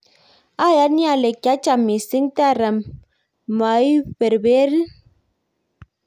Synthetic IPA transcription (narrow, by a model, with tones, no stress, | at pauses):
a˦˨ja˦ni˦a˨le˨ka˨˦t͡ʃa˨mːi˨si˦ŋta˦˨ɾa˨mː | a˨˦i˦ɸe˨ɾbe˦ɾi˦